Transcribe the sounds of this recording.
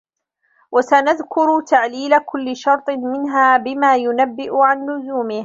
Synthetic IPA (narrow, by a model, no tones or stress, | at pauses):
wasanaðkʊɾt̪aʕliːlakʊlːɪʃɑɾˤt̪ˤɨmɪnɦaːbɪmaːjʊnabːɪʔʊʕanːʊzuːmɪh